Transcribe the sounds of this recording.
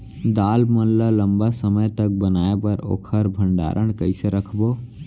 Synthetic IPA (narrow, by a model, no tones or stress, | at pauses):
d̪aːlmənlələmbasəməjt̪ək̚bənaebəɾo̰kʰəɾbʱəɳɖa̰ɾʔəɳkəɪsəɾəkʰbo